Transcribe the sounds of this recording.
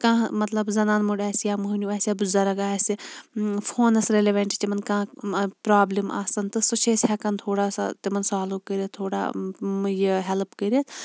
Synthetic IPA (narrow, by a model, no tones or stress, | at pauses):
kãːmɐt̪lɐbzɐnaːnmuɖaːsjamuɦunʲuaːsʲjabuzɐɾɐɡaːsifʰoːnɐsɾeleʋɐɳʈit͡ʃ̪ʲimɐnkãːpɾaːblimʔa̰ːsɐnt̪ɨsɨt͡ʃʰeːsʲɦɛkɐnt̪ʰoːɽaːsa̰t̪imɐnsaːlukəɾʲɐt̪̚t̪ʰːoːɽa̰ːjiɦɛlpkəɾɐt̪ʰ